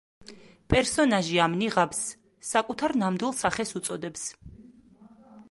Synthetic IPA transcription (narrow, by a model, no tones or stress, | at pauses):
pʼɛɾsɔnaʒiamniʁabsː | akʼut̪ʰaɾnamd̪wilˠsaχɛsut̪sʼɔd̪ɛps